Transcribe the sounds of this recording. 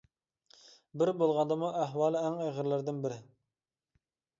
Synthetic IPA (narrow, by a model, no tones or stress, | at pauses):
bɪɾbolˠʁɑnd̪ɑmuæɦwɑːlˠɪɛŋeʁəɾlɪɾd̪ɪnbɪɾɪ